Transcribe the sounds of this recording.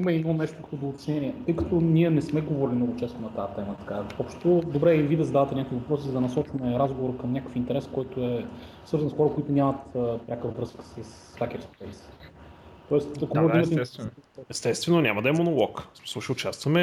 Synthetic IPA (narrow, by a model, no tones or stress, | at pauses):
iməɛnɔnɛʃt̪ʊkɐ̥t̪ɔd̪oʊt̪ɛ̥snʲɛniɛt̪ɤjkɐt̪onʲiɛnɛsmɛɡovɔɾilʲinɔɡʊt͡ʃɛst̪onɐt̪aət̪ɛmət̪ɐ̥kaɔpʃt̪t̪od̪obɾɛivid̪ɐzɐd̪avɐt̪ɛnʲakovivɐpɾɔsizd̪ɐnɐsɔt͡ʃvɐmɛɾazɡovoɾkəmnʲakə̥fint̪ɛɾɛskɔjt̪ʊɛsvɤɾznsxɔɾɐkoit̪ʊnʲamɐt̪ːpɾʲakəvɾɤskə̥səs | fakɛt̪spɛjs | t̪ɔɛst̪ɐkomɡd̪imɐt̪ɛi | ɛst̪ɛst̪vɛnonʲamɐd̪ɐɛmonolˠɔksmi̥sˠʊʃiʊt͡ʃast̪vɐmɛ